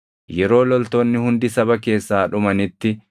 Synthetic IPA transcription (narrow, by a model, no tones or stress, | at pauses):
jɛɾo̞ːlɔlt̪onːɪhʊnd̪ɪsɐbɐke̞ːsːaːᶑʊmɐnɪt̪ːɪ